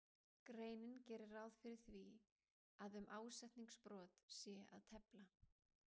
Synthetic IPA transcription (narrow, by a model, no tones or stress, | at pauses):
kɾeːjnɪncɛːɾɪraːwðfɪɾɪɾ̥θvi | aðʏmʔaːwsɛht̪niŋkspɾɔːt̪sjɛa̰ðt̪ʰɛpla